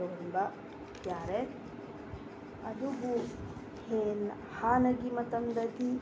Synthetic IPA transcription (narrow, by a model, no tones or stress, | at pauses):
ɐʋɐnbɐ | jaːɾet | ɐd̪uɡu | heːn | haːnɐɡimɐt̪ɐnd̪ɐd̪i